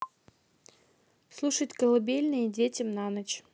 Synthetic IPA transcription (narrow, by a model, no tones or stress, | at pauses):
slˠuʂətʲkəlˠɐbʲelʲnɨjədʲetʲɪmnanət͡ɕ